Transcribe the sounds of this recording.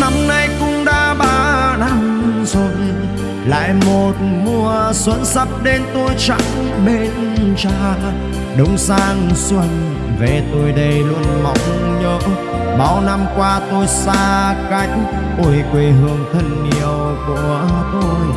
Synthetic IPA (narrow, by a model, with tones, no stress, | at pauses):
na˧mna˧jkʊ̰˧˥ŋ͡mɗaː˧˩ɓaː˧na˧mzo˨˩j | la̰ː˧˨jmo˨˩t̚mu˧əswə˧˥nsə˦˥p̚ɗe˧nt̪o˧jt͡ɕa̰˧˦ŋ | ɓe˧n | t͡ɕaː˧ | ɗʊ˨˦ŋ͡msaː˧ŋswə˧n | ve˨˩t̪o˧jɗə˧jlwənmɔ˨˧˦wŋ͡mɲəː˨˦ʔ | ɓa˨˦wna˧mkwaː˧t̪o˧jsaː˧ka˧˦jŋ̟ | ʔu˧˩jkwe˧˩ɦɨ˧əŋt̪ʰə˧˩nːi˧˩əw | ku˧˩˨ə˩ət̪o˧j